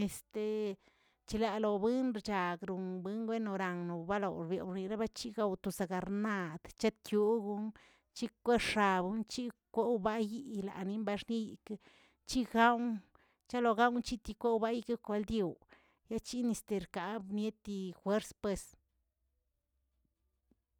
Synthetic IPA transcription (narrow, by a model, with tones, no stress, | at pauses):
e˨st̪e˨ | t͡ʃi˧la˨lo˨bɨ˦nɾt͡ʃa˨ɡɾu˨nbɨ˦ŋɡwe˦no˨ɾa˨ŋno˨ba˦lo˨wɾbjḛ˨˧ɾni˧ɾa˦ba˦t͡ʃi˦ɡa˧wt̪o˨sa˨ɡa˨ɾna˧d̪̥t͡ʃe˦t̪̚kju˦ɡu˧˦n | t͡ʃi˦kʷe˦ʂa˨bu˧nt͡ʃi˦kʷo˦wba˦ji˦la̰˨ni˧˦mba˧ʂni˦ji˨k | t͡ʃi˦ɡa˦w | t͡ʃa˦lo˧ɡa˦wnt͡ʃi˦t̪i˧kʷe˦wba˦ji˦ke˦kʷe˧˦ld̪je˨w | ja˦t͡ʃi˦ni˧st̪e˧ɾka˨bnje˦t̪i˧xwe˦ɾspwe˧s